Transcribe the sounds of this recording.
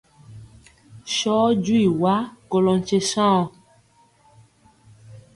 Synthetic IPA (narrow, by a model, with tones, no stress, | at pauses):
ʃɔ˦d͡ʒu˦i˨wa˦ko˨lɔ̃˨n˨t͡ʃe˧sã˦ɔ˨